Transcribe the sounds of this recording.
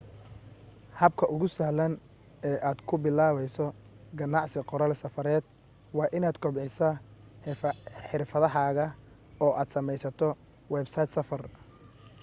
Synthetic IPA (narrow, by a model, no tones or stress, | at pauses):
hɐb̚kʰɐʔʊɣʊsɐhlɐn | ɛːʔaːd̪kʰʊbɪlaːβɛjsɔ | ɡɐnɑʕsɪqɔɾɐlsɐfɐɾɛːd̪̥ | wɑːʔɪnaːd̪kʰɔbʕɪsɐ | ħɪrfɐðɐɦaːɣɐ | ɔːʔaːd̪sɐmɛjsɐt̪ʰɔ | wɛːbsɐjt̪sɐfɐr